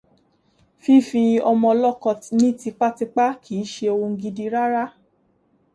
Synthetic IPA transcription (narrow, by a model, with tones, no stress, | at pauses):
fi˦˨fi˧ɔ˧mɔ̃˧lɔ˦˨kɔ̃˧nĩ˦ti˧k͡pa˦ti˧k͡pa˦kʰiː˨˦ʃe˧o˧wo˧ŋ̩˧ɡi˧di˧ɾa˦ɾa˦